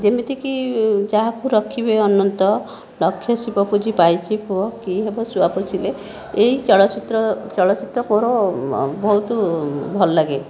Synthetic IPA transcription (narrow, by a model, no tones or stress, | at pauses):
d͡ʒemit̪ʰikid͡ʒaɦakuɾɔkʰibeɔnːɔnt̪ɔ | lɔkʰːjɔsipɔpud͡ʒʱipajt͡ʃʰipɔkiɦebɔsuapɔt͡ʃʰile | eɦit͡ʃɔɭɔt͡ʃit̪ɾɔt͡ʃɔɭɔt͡ʃit̪ɾɔkoɾobɔɦut̪bʱɔlɔlaɡe